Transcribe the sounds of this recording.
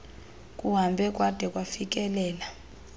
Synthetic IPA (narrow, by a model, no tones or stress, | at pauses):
kʼuɦambʱɛkʼwad̥ʱɛkʼwafik̬ʼɛlɛːla